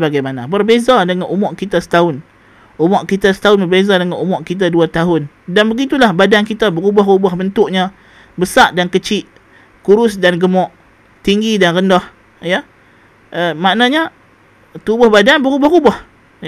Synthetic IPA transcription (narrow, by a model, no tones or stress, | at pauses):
baɡajmanabərbezadəŋanumɔʔkit̪asə̥t̪aʊn | umɔʔkit̪asə̥t̪aʊnbərbezadəŋanumɔʔkit̪̬aduat̪aɦʊn | danbəɡit̪ulahbadankit̪abəɾubaɦrubahbənt̪ʊʔɲa | bəsaʔdankət͡ʃɪʔ | kuɾʊsdanɡəmɔʔ | t̪iŋɡidanrəndɔh | ja | ʔəmaʔnaɲa | t̪ubʊhbadanbəɾubɔhrubɔh